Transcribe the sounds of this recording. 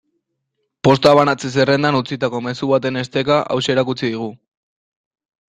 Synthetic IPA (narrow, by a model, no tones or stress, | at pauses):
po̞st̪aβanat͡ses̬ere̞nd̪anut͡sit̪ako̞me̞suβat̪e̞ne̞st̪e̞kaʔa̰wse̞ɾakut͡siðiɣ̞u